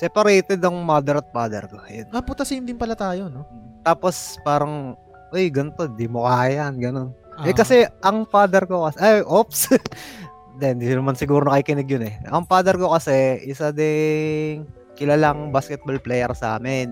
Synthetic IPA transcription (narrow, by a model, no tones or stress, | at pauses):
sɛpɐɾɛjt̪ɛd̪ɐŋmad̪ɛɾɐt̪̚paːd̪ɛ̰ɾkojʊnɐpʊt̪ɐsɪnd̪ɪnpɐlat̪aːjonot̪aːpo̞spaːɾɐŋ | ʔojɡɐnt̪o̞d̪imʊkaːjɐnɡɐno̞nʔɛkɐsɛʔɐŋpaːd̪ɛɾko̞kɐsʔaʔops | d̪ɛnd̪inɐmansɪɡuːɾonɐkikɪnɪɡjonɛʔɐŋpaːd̪ɛɾko̞kɐsɛʔɪsad̪ɛŋ | kɪlalaŋbaːskɛt̪̚bolplɛjɛɾsʔa̰ːmɪn